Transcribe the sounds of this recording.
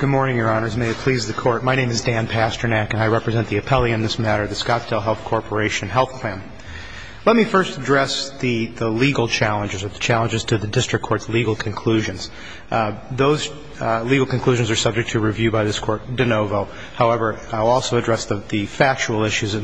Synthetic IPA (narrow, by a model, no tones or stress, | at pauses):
ɡ̥ʊd̚mɔɹnɪ̃ŋjə˞ɑnə˞zmeɪɨt̚pʰl̥izðɨkʰɔɹt̚maɪnẽɪ̃mɨzdæ̃npʰæstə˞nækɨ̃naɪɹɛpɹɨzɛ̃nðiɨpʰɛlˠiɨ̃nðɪsmæɾə˞ðɨskɑtsdɛlˠɦɛlˠθkʰɔɹpʰə˞eɪʃɨ̃nɦɛlˠθpʰl̥æ̃n | lɛt̚mifɜ˞stədɹɛsðɨðəliɡl̩ˠt͡ʃʰælˠə̃nd͡ʒɨzə˞ðɨt͡ʃʰælˠə̃nd͡ʒɨz̥tʰɨðɨdɪstɹ̥ɨkʰɔɹtsliɡl̩ˠkʰɨ̃n̩kʰl̥ʉʒɨ̃nz̥ | ðoʊz̥ | liɡl̩ˠkɨ̃nkʰl̥ʉʒɨ̃n̩zə˞sʌb̚d͡ʒɨk̚tʰɨɹivjʉbaɪðɪskʰɔɹt̚d̥ɨnoʊvoʊ | haʊɛvə˞aɪlˠɔlˠsoʊɨdɹɛsðɨðɨfæk̚t͡ʃul̩ˠɪʃʉzɨ̃